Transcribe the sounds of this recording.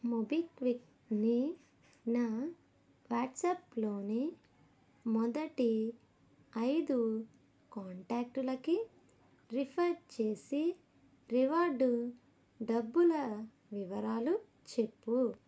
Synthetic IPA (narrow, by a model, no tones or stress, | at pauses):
mobikʋik̚ | ni | naː | ʋaːʈsɐːplo̞ːni | mɔd̪ɐʈi | ɐjd̪u | kaːɳʈaːk̚ʈulɐki | ɾipʰɐɾt͡ʃeːsi | ɾiʋaːɾɖu | ɖɐbːulɐ | ʋiʋɐɾaːlu | t͡ʃe̞pːu